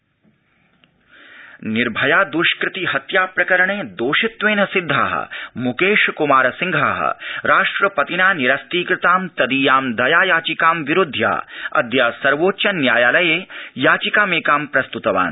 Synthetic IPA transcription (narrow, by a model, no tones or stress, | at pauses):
niɾbʱɐjaːd̪uʃkɾɪt̪ihɐt̪jaːpɾɐkɐɾɐɳeːd̪oːʃɪt̪ʋeːnɐsɪd̪ʱːaːɦɐ̰mukeːʃkumaːɾɐsɪ̃ŋɡʱaːɦɐ̰ɾaːʂʈɾɐpɐt̪inaːniɾɐst̪iːkɾɪt̪aːmt̪ɐd̪iːjaːmd̪ɐjaːjaːt͡ʃikaːmʋiɾʊd̪ʱːja̰ːɐ̰d̪jaːsɐɾʋoːtːʃɐnjaːjaːlɐjeːjaːt͡ʃikaːmeːkaːmpɾɐst̪ut̪ɐʋa̰ːn